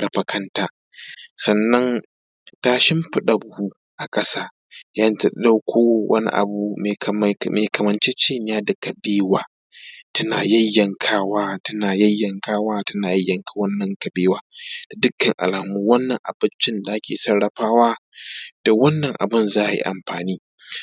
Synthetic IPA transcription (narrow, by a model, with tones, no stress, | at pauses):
ɽɐ˨ɸɐ˨kʰɐ˦ntaː˦ | sɐ˨nːɐ˦n | taː˦ʃɪ˦mɸɪ˦ɗa˨bʊ˨hu˦ | ʔa˨kʼɐ˦saː˦ | jaː˦n˦tɐ˨˦ɗa˦wkʰʷoː˦wʔɐ̰˦nḭ˦ʔa̰˨bu˨meː˨kɐ˨mɐ˨nt͡ʃeː˦t͡ʃeː˦ɲ˨jaː˦da˨kɐ˨beː˦waː˨ | tɐ˦na̰ː˨jɐ˦jːɐ˨ŋkʰaː˦waː˦tɐ˦naː˨jɐ˦jːɐ˨ŋkaː˦waː˦tɐ˦naː˨jɐ˦jːɐ˨ŋkʰa˦wɐ˦nːɐ˨ŋkɐ˨beː˦waː˦d̥a˨dʊ˦kːɐ˨ŋʔa̰˨laː˨muː˦wɐ˦nːɐ˨ŋʔa̰˨bɪ˦nt͡ʃɪ˦nda˨ʔa˦kʲeː˨sɐ˦ɽɽɐ˨ɸaː˦waː˦d̥a˨wɐ˦nːɐ˨ŋʔa̰˨bɪ˦nzaː˦ʔjḭ˦ʔa̰˨mɸaː˨niː˦